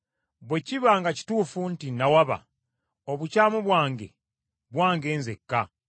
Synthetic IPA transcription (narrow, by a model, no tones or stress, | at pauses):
βwe̞ciβaŋɡaci̥tuːfuntinːawaβa̰ | oβucaːmuβwaːŋɡe̞̰ | βwaːŋɡe̞ːnzekːa